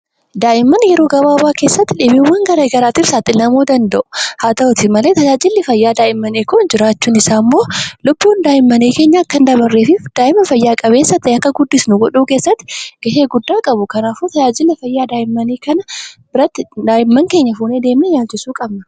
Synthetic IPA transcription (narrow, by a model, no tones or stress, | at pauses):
d̪aːʔɪmːɐnjɛɾo̞ːɡɐbaːbaːke̞ːsːɐt̪ːɪᶑɪbɪʊwːɐŋɡɐɾeːɡɐɾaːt̪iːfsaːt̪ːɪlɐmuːd̪ɐnd̪ɐʔʊ̥haːt̪ɐʊt̪ɪmɐle̞ːt̪ɐd͡ʒaːd͡ʒɪlːɪfɐjːaːd̪aːʔɪmːɐneːkʊnd͡ʒɪɾaːt͡ʃːuːnɪsaːmːo̞ːlʊbːuːnd̪aːʔɪmːɐneːke̞ːɲːaːkːɐnd̪ɐbɐrːeːfɪfd̪̥aːʔɪmːɐfɐjːaːkʼɐβe̞ːsːɐt̪ːɛɐkːɐɡʊd̪ːɪsnʊɡɔᶑuːke̞ːsːɐt̪ːɪɡ̥ɐɦeːɡʊd̪ːaːkʼɐbʊkɐnaːfoːt̪ɐd͡ʒaːd͡ʒɪlːɪfɐjːaːd̪aːʔɪmːɐniːkɐnɐbɪɾɐt̪ːɪd̪aːʔɪmːɐŋke̞ːɲːɐfuːneːd̪eːmɛjaːt͡ʃːɪsuːkʼɐbnɐ